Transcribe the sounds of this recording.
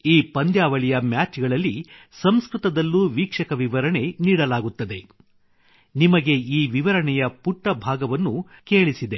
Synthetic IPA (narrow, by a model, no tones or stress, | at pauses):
iːpɐnd̪jaːʋɐɭijɐmjaːt͡ʃɡɐɭɐlːi | sɐmskɾut̪ɐd̪ɐlːuːʋiːkʂɐkɐʋiʋɐɾɐɳe̞niːɽɐlaːɡut̪ːɐd̪e̞ | nimɐɡe̞iːʋiʋɐɾɐɳɛjɐpuʈːɐbʱaːɡɐʋɐnːuke̞ːɭisid̪e̞